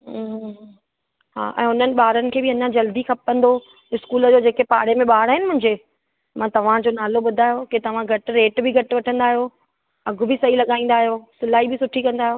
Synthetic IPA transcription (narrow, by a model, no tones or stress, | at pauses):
ɦa̰ːʔɛ̰̃ːʊn̤ənɪ̆ɓaːɾənɪ̆kʰeːbɪɐɲãd͡ʑɐld̪ikʰɐp̚ːə̃nd̪o | ɪskuːləd͡ʑoːd͡ʑeːkepaːɽemẽɓaːɽɦɪnɪ̆mʊ̃ɦɪ̃ɲd͡ʑe | mãːt̪ɐʋ̤ãd͡ʑoːnaːloɓʊd̪ʱaːɦjoket̪ɐʋ̤ãɡʱɐʈ̆ɾeːʈbɪɡʱɐʈ̆ʋɐʈʰə̃nd̪aːɦijoː | ɐɡʱʊ̆bɪsɐɦilɐɠaːĩːn̆d̪aːɦijoːsʊlaːibɪsʊʈʰikɐ̃nd̪aːɦjoː